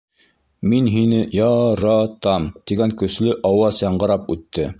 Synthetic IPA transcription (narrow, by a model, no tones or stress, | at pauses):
minɦinɘjɑɾɑt̪ɑmt̪iɡæŋkɵ̆slɵʔɑwɑsjɑɴɢɤ̆ɾɑpʉt̪ːɘ